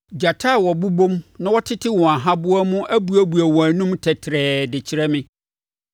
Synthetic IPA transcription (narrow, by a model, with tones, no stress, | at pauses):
d͡ʑa˨tʰa˦˨wɔ˨bu˦bõ˦mnã˦wɔ˦tʰɪ˦tʰɪ˦wɔ̃˨a˨ɦã˦bʊ˦a˦mʊ̃˦ʔæ˦bu˦æ˦bu˨æ˨wɔ̃˨æ˨nũ˦mtʰɛ˨tʰɪ˨ɾɛː˨dɪ˨t͡ɕʰɪ˦ɾɛ˦mɪ̃˦